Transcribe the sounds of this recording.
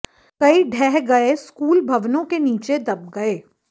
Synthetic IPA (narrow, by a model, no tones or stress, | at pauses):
kɐiɖʱɛːɦɡɐeskuːlbʱɐʋnõkeniːt͡ʃed̪ɐb̚ɡɐeː